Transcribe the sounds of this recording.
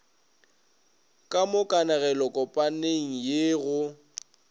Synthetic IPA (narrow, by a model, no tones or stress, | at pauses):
kʼamʊkʼanaɣɛlɔkʼɔpʼaneŋ̩jeɣʊ